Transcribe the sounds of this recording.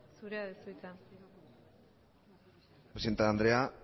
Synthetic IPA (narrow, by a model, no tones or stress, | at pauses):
suɾeaðesujt̪a | pɾsent̪aːnd̪ɾea